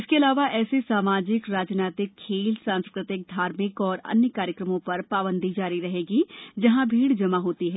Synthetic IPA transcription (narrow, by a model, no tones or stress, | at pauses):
ɪskeɐlaːʋaʔɛːsesaːmaːd͡ʒɪkɾaːd͡ʒnaːt̪ɪkʰːeːlsãːnskɾɪt̪ɪk̚d̪ʱaːɾmɪkɔːɾɐ̰njəkaːɾjəkɾəmõpɐɾpaːbə̃nd̪ʱid͡ʒaːɾiɾɐɦeːɡid͡ʒɐɦãbʱiːɽd͡ʒɐmaɦoːt̪iɦɛː